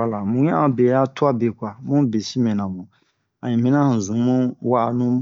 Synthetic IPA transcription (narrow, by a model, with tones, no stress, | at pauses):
a˨la˨mũ˨˦ɲã˦a˨be˨˦a˦tu˦a˦be˨kʷa˨mũ˦be˨si˦mɛ̃˨nã˨mũ˨ | a˨ɲĩ˨mĩ˦nã˦˨zũ˨˦mũ˦wa˦ʔa˨nũ˦